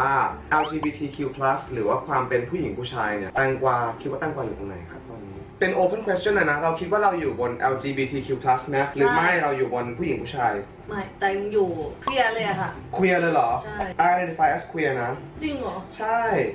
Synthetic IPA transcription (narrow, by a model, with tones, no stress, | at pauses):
waː˥˩ʔɛ˧wt͡ɕiː˧biː˧t̪ʰiː˧kʰi˧wpʰla˦˥sɾɯː˩˦waː˥˩kʰwaː˧mpe˧npʰuː˥˩ji˩˦ŋpʰuː˥˩t͡ɕʰaː˧jni˥˩ɐt̪a˥˩ŋkwaː˧kʰi˦˥waː˥˩t̪a˥˩ŋkwaː˧juː˨˩t̪o˧ŋna̰˨˩˦jkʰa˦˥p̚t̪ɔː˧nːiː˦˥pe˧nʔoː˧pʰə˥˩nkʰwe˦st͡ɕʰɔ˥˩na˥˩na˦˥ɾa˧wkʰi˦˥waː˥˩ɾa˧wjuː˨˩bo˧nʔɛ˧wt͡ɕiː˧biː˧t̪ʰiː˧kʰi˧wpʰla˦˥sna˦˥ɾɯː˩˦ma˥˩a˧˩ɾa˧wjuː˨˩bo˧npʰu˥˩ji˨˩˦ŋpʰuː˥˩t͡ɕʰaː˧j | ma˥˩t̪ɛː˨˩ja˧ŋjuː˨˩kʰi˧a˧lɤː˧jʔa˨˩kʰa˥˩kʰu˧jʔa˧lɤː˧jlɔː˩˦t͡ɕʰa˥˩jʔa˧ʔa˧e˧nt̪i˧˩faː˧jʔe˦˥skʰu˧jʔa˧na˦˥t͡ɕi˧ŋlɔ˨˩˦t͡ɕʰa˥˩j